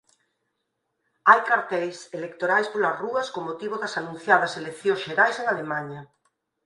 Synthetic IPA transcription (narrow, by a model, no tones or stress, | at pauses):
ajkaɾt̪ɛjselekt̪oɾajspolasruɐskomot̪iβ̞oðɐsanũn̟θjaðɐselekθjõzʃeɾajseŋalemaɲa